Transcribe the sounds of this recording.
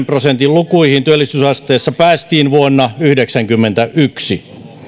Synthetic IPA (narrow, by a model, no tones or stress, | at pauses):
mprosent̪illukuihint̪yølːˑisysɑst̪eːsːɑpæːst̪iːnʋuonːɑyhdeksæŋkymːent̪æʔyksi